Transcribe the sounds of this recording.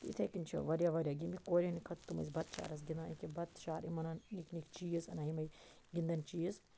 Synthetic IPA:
t̪ḭt̪ʰekint͡ʃʰɐ̰ʋɐɾʲjaʋɐɾʲjaːɡimʲikoːɾʲenikʰɐt̪t̪ːumɐ̰zʲbɐt̪̚t͡ʃʰa̰ːɾɐs̬ɡʲind̪ãːɐikibɐt̪t͡ʃaːɾimɐnɐnniknikt͡ʃijizɐnɐimɐj | ɡʲind̪ɐnt͡ʃiːiz

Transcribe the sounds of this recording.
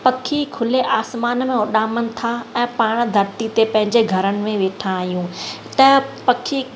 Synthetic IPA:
pɐkʰikʰʊleʔaːsmaːnmẽʊɗaːmənɪ̆t̪ʰaɛ̃ːpaːɽ̃d̪ʱɐɾt̪it̪epɐ̃ɦɪ̃ɲd͡ʑeɡʱɐɾənɪ̆mẽʋeːʈʰãːɦijũː | t̪ɐpɐkʰi

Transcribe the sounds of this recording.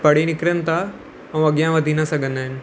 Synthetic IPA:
pɐɽ̤inɪkɾənɪ̆t̪ʰa | ɛ̃ɐɠijãʋɐd̪ʱinɐsɐɡʱə̃nd̪aːɦɪnɪ̆

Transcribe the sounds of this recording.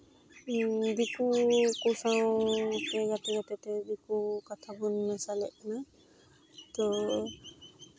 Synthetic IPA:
bikukusawt̪ɛjat̪ɛjat̪ɛt̪ɛbikukat̪ʰabunmɛsalɛ̰ʔkana | t̪ɔ

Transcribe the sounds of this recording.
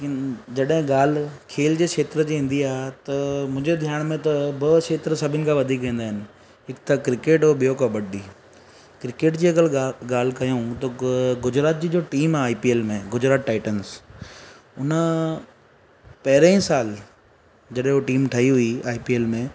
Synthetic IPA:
ekɪnd͡ʑɐɗɦɪ̃ɡaːl̤kʰeːld͡ʑeːʃeːt̪ɾəd͡ʑiːɦĩn̆d̪iaːɦet̪ɐmʊ̃ːɲd͡ʑed̪ʱjaːɽ̃mẽt̪ɐbɐʃeːt̪ɾəsɐbʱɪnɪkʰãʋɐd̪ʱikːɐ̃ːn̆d̪aːɦɪnɪ̆ | ɦɪkt̪ɐkɾɪkeːʈoɓijokabɐɖiː | kɾɪkeːʈd͡ʑiːɐɡəlɡaːl̤kɐjũt̪ɐɡʊd͡ʑɾaːt̪̚d͡ʑiːd͡ʑoːʈiːmaːipieːlmẽɡʊd͡ʑɾaːt̪ʈaːɪʈəns | ʊnə | pɐɦɪɾẽĩsaːl | d͡ʑɐɗɦẽɦoʈiːmʈʰɐiɦʊiaːipieːlmẽ

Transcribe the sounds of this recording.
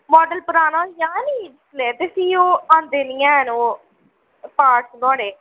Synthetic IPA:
mɔːɖəlpəɾaːnaːjãːniːɖɪsleːt̪eːsiːoːãːnd̪eːnɪjãːnoː | paːʈsɡɔ̃ːɽeː

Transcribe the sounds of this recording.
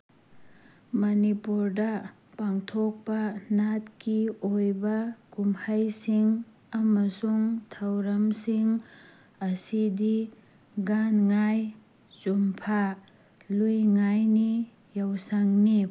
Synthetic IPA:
mɐnipuɾdɐ | paŋtʰok̚pɐnatkiojbɐkumhajsiŋ | ɐmɐsuŋtʰawɾɐmsiŋ | ɐsidi | ɡanŋaj | t͡ʃumpʰa | lujŋajni | jawsaŋni

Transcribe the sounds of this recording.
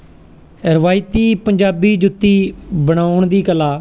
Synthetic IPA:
ɾəʋaːɪt̪iːpəɲd͡ʒaːbiːd͡ʒʊt̪ːiːbəɽ̃aːʊɳd̪iːkəlaː

